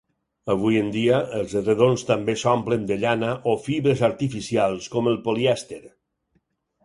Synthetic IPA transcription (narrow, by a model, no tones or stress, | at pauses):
əβ̞ujənd̪iaːlˠzreðonst̪ambesɔmplənd̪əʎanaʔofiβɾəzaɾt̪ifisialˠskɔməlˠpoliɛst̪eɾ